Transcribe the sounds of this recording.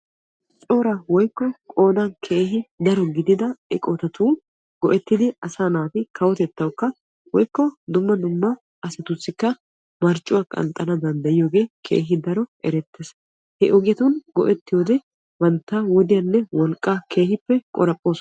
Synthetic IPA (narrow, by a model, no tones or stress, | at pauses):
t͡ʃʼo̞ːɾɐwɔjkːɔkʼo̞ːnɐnkʰe̞ːɦɪd̪ɐɾɔɡɪd̪ɪd̪ɐɛkʼɔt̪ɐt̪ʰuː | ɡ̥ɔʔɛt̪ːɪd̪ɪɐsaːnaːt̪ɪkʰɐwɔt̪ɛt̪ːɐwkːɐ | wɔjkːɔd̪ʊmːɐd̪ʊmːɐ | ɐsɐt̪ʊsːɪkːɐ | mɐɾt͡ʃʼːʊwɐkʼɐ̰nt̪ʼːɐnɐd̪ɐnd̪ɐjɪjo̞ːɡe̞ːkʰḛːɦɪd̪ɐɾɔʔɛɾɛt̪ːeːs | hɛʔoɡɪjɐt̪unɡɔ̰ʔɛt̪ːɪjoːd̪ɛ | bɐnt̪ːawɔd̪ɪjɐnːɛwɔlkʼːakʰe̞ːhɪpːɛkʼɔ̰ɾɐpʼːo̞ːs